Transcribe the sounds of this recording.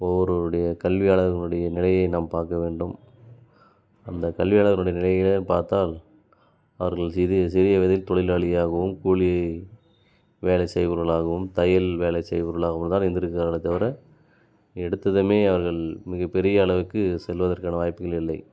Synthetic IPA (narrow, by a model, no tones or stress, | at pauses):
ɔʋɔɾɯɽɐjɐkɐlʋɪjaːɭɐɣɐɭɯɽɐjɐnɪlɐjɐɪnaːmpaːɾkɐʋeːɳɖɯm | ɐnd̪ɐkɐlʋɪjaːɭɐɣɐlɯɽɐjɐnɪlɐjɪlpaːɾt̪aːl | ɐʋɐɾɣɐɭsɪɾɪsɪɾɪjɐʋɪðɐjɪlt̪ɔɭɪlaːɭɪjaːɣɐʋɯmkuːɭɪjɐɪ | ʋeːlɐɪsɛjʋɯɾɣɐɭaːɣɐʋɯmt̪ɐjɪlʋeːlɐɪsɛjʋɯɾɣɐɭaːɣɐmnt̪aːnɛnd̪ɪɾɯkːɯkaːɾɐɳɐt̪ːɐʋɐɾɐ | ɛɽɯt̪ːɐðɯmeːɐʋɐɾɣɐɭmɪɣɐpːɛɾɪjɐːɭɐʋɯkːɯsɛlʋɐðɐɾkaːnɐʋaːjpːɯɣɐɭɪlːɐɪ